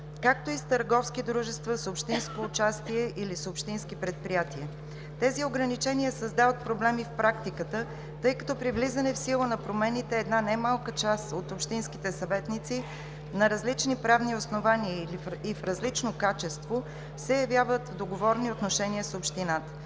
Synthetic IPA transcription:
kak̚t̪oist̪əɾɡɔfskid̪ɾuʒɛst̪vəsopʃt̪inskoːt͡ʃast̪iɛʔilisopʃt̪inskipɾɛt̪̚pɾijat̪iɛ | t̪ɛzioɡɾɐnit͡ʃɛnʲiəsəzd̪avət̪̚pɾoblɛmifpɾʔakt̪ikət̪ə | t̪ɤjkɐt̪ɔpɾivlizənɛfsilˠənɐpɾomɛnit̪ɛːd̪nanajmalˠkət͡ʃasot̪opʃt̪inskit̪ɛsɐvɛt̪nit̪si | nɐɾɐzlit͡ʃnipɾavniosnovaniəifɾɐzlit͡ʃnokat͡ʃɛst̪vo | sɛjɐvʲjavət̪vd̪oɡovɔɾniot̪noʃɛniəsopʃt̪inat̪ə̥

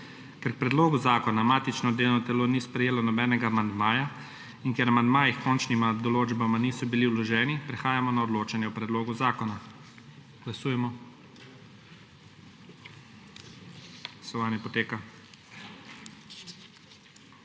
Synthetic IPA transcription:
kɛɾk̚pɾɛd̪loːɡuzaːkɔnamaːt̪it͡ʃnɔd̪eːlnɔt̪ɛloːniːspɾɛjeːlɔnɔbɛːnɛɡaːmand̪maːja | inkjɛɾamand̪maːjixkɔnt͡ʃnimad̪ɔloːd͡ʒbamaniːsɔbiliwlɔʒɛːnipɾɛxaːjamɔnaɔd̪loːt͡ʃanjɛupɾɛd̪loːɡuzaːkɔna | ɡ̥lasuːjɛmɔ | lasɔʋaːnjɛpɔt̪eːka

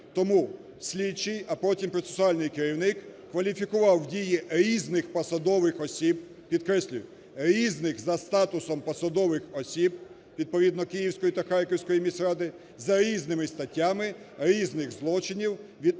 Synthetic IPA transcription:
t̪ɔmu | sʲlʲit͡ʃːɪjɐpɔtʲimpɾɔt̪sesʊɑlʲnɪjkeɾʲiwnɪkː | ʋɐlʲifʲikʊʋɑwdʲijiɾʲiznɪxpɔsɐd̪ɔʋɪxɔsʲib̚ | pʲid̪kɾɛsʲlʲʊjʊ | ɾʲiznɪxzɐst̪ɑt̪ʊsɔmpɔsɐd̪ɔʋɪxɔsʲib | ʋʲid̪̚pɔid̪nɔkɪjiwsʲkɔjit̪ɐxɑrkɔwsʲkɔjimʲisʲɾɑd̪ɪ | zɐɾʲiznɪmɪst̪ɐtʲːamɪ | ɾʲiznɪɣzlˠɔt͡ʃɪnʲiwʋʲi

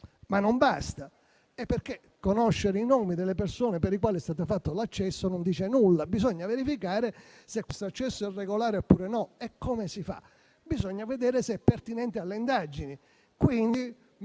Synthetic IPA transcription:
manːombast̪a | epːerkːe | kːonoʃːeɾeinoːmid̪elːepersoːnepeɾikwaːliɛst̪aːt̪afat̪ːolat͡ʃːɛsːonond̪iːt͡ʃenulːabizɔɲːaveɾifikaːɾe | sekwest̪oat͡ʃːɛsːoɛrːeɡolaːɾeopːuːɾenɔɛkʰːomesifa̰ | bizɔɲːaved̪ɛːɾeseɛpːert̪inɛnt̪ealːeind̪ad͡ʒini | kwind̪i

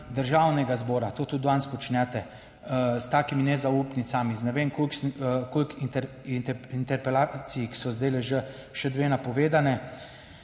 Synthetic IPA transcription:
d̪əɾʒaːwnɛɡazbɔːɾat̪oːt̪ud̪dʋanspɔt͡ʃnɛt̪ɛ | st̪aːkiminɛzaupnit̪samiznɛʋeːmkolkolkit̪ | nt̪ɛint̪ɛɾpɛlaːsijiki̥sɔzd̪ajlɛʒə | ʃɛd̪ʋeːnapɔʋeːd̪anɛ

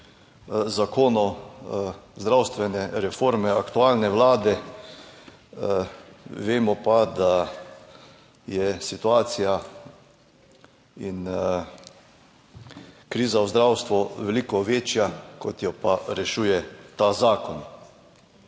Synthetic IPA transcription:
zakoːnɔ | zd̪ɾawst̪ʋɛnɛɾɛfoːɾmɛakt̪uaːlnɛʋlaːd̪ɛ | ʋeːmɔpad̪a | jɛsit̪uaːt̪sija | in | kɾiːzawzd̪ɾawst̪ʋuʋɛliːkɔʋeːt͡ʃjakɔt̪jɔpaɾɛʃuːjɛt̪azaːkɔn

